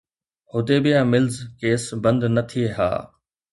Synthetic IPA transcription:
hʊd̪eːbɪjãːmɪlzkeːsbɐ̃nd̪nɐt̪ʰieɦa̰ː

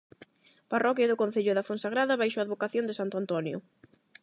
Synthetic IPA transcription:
parɔkjaðʊkõnθeʎʊðafonsaɣɾaðɐβajʃoaːðβokaθjond̪esant̪oant̪ɔnjʊ̰

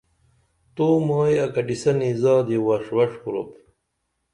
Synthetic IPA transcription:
t̪oːmaːjɐkɐɖisɐnizaːd̪ewɐʂwɐʂkuɾo̰p

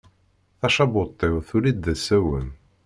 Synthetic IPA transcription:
θæʃɑbot̪ˤːewθulid̪ːæsːæwən

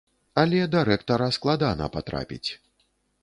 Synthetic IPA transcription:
alʲɛd̪aɾɛkt̪ɐɾɐsklˠad̪anɐ̰pat̪ɾa̰pʲḭt͡sʲ

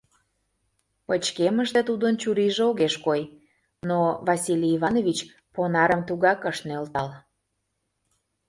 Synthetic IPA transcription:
pət͡ɕkeməʃt̪et̪ud̪ənt͡ɕuɾiʒeoɣeʃkoj | novɑsʲilʲiiβɑnoβit͡ɕ | ponɑɾəmt̪uɣɑkəʃnølt̪ɑl

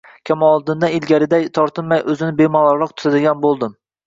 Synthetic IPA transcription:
kʲʰamɒlˠd̪ɪnd̪aɪlɡʲaɾɪd̪ajt̪ʰɒɾt̪ʰɨnmajʔɵzɪnɪbemɒlˠɑɾlɑq̚t̪ʰʊ̥t̪ʰad̪ɪɡʲanbolˠd̪ɪm

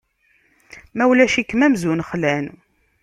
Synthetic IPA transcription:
mæwlæʃikːmæmzunχlæn

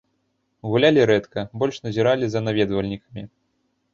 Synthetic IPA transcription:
ɣulʲalʲiɾɛt̪kɐbɔlʲʂnɐzʲiɾalʲizɐnavʲɛd̪vɐlʲnʲikɐmʲi

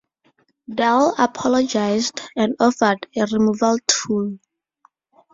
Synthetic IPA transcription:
dalapʰɔlɔd͡ʒajsdɛ̃ndɔfədeɹimuvaltʰul

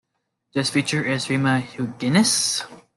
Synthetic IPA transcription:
ðɪsfit͡ʃə˞ʔɪzɹiməhuɡɪnɨs

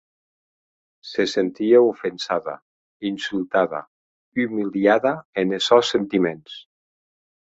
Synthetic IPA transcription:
sesent̪iaufənsaða̰ | insylˠt̪aða̰ | ymiliaðaenesɔsent̪imens

